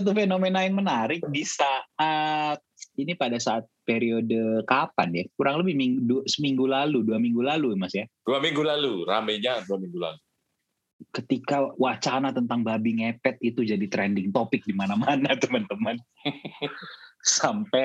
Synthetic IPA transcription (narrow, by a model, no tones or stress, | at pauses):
t̪̬ufenomenajaŋmənaɾɪk̚disaat̪̚inipadasaːt̪̚peɾiodəkapanjakuɾaŋləbɪhmiŋdusəmiŋɡulaluduamiŋɡulalumasjad̥uamiŋɡulalura̰mɛɲaduamiŋɡula̰lu | kət̪ikawat͡ʃanat̪ənt̪aŋbabɪŋepɛt̪it̪ud͡ʒadit̪ɾɛndɪŋt̪opɪk̚dimanamanat̪əmant̪əmən | sampɛ